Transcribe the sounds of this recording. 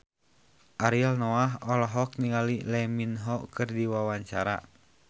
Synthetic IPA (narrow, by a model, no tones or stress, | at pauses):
ʔaɾialnɔaɦɔlɔɦɔk̚niŋalilɛminɦɔkɨrdiwawaɲt͡ʃaɾa̰